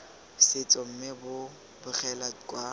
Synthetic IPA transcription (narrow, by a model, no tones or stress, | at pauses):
sɪt͡sʼɔm̩mɪbʊ | bʊχʰɛlakʼwa